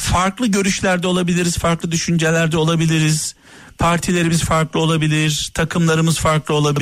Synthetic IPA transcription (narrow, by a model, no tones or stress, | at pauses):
faɾklˠɯɟø̞ɾyʃlʲæɾd̪ɛo̞lˠabilʲiɾiz̥faɾklˠɯd̪yʃynd͡ʒelʲæɾd̪ɛo̞lˠabilʲiɾiz̥ | pʰaɾt̪ʰilʲe̞ɾimiz̥faɾklˠɯo̞lˠabilʲiɾ̥t̪ʰakʰɯmlˠaɾɯmɯz̥faɾklˠɯo̞lˠabi